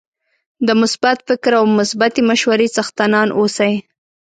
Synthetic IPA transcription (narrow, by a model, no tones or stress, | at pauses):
d̪əmʊsbat̪fɪkɾawmʊsbat̪imaʃwaɾesaxt̪anɑnʔosaj